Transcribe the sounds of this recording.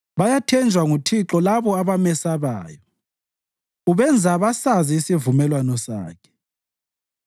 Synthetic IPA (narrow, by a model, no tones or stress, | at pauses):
βajatʰɛnd͡ʒʱwaŋutʰiǁɔlaβɔaβamɛsaβa̰ːjɔ | uβɛnd͡zʱaβasaziːsivumɛlwanɔsa̰ːkʰɛ̥